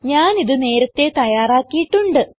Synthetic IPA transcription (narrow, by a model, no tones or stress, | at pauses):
ɲaːniðɨne̞ːɾɐt̪ːe̞t̪ɐjaːraːkːijiʈːuɳɖɨ